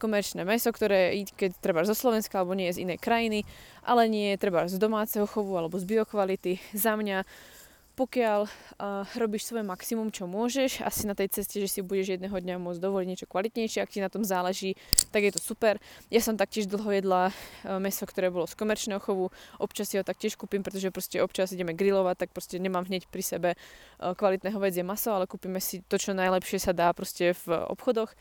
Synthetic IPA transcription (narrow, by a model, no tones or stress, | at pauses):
kɔmɛɾt͡ʃnɛːmɛsɔkt̪ɔɾɛːickɛct̪ɾɛbaʒzɔslɔʋɛnskaalɛbɔɲɪɛjɛzḭnɛjkɾajiniʔa̰lɛɲɪɛjɛt̪ɾɛbazd̪ɔmaːt͡sɛɦɔxɔʋualɛbɔzbiɔkʋalit̪izamɲa | pɔkɪal | ɾɔbiːʃsʋɔjɛmaksimumt͡ʃɔmʊɔʒɛʃa̰sinat̪ɛjt͡sɛscɛʒɛsibuɟɛʒjɛd̪nɛːɦɔd̪ɲamʊɔd͡zd̪ɔʋɔliɟɲɛt͡ʃɔ̥kʋalit̪ɲɛjʃɪɛakcinat̪ɔmzaːlɛʒiːt̪aɡjɛt̪ɔsupɛɾjasɔmt̪ak̚cɪɛʒd̪l̩ˠɦɔjɛd̪lamɛsɔkt̪ɔɾɛːbɔlɔskɔmɛɾt͡ʃnɛɦɔxɔʋuʔɔpt͡ʃasːiɦɔt̪ak̚cɪɛʃkuːpimpɾɛt̪ɔʒɛpɾɔscɛɔpt͡ʃaziɟɛmɛɡɾilɔʋac̚t̪ːak̚pɾɔscɛɲɛmaːmɦɲɛcpɾisɛbɛkʋalit̪nɛːɦɔʋɛd͡zjɛmasɔalɛkuːpiːmɛsit̪ɔt͡ʃɔnajlɛpʃɪɛsad̪aːpɾɔscɛvɔ̰pxɔd̪ɔx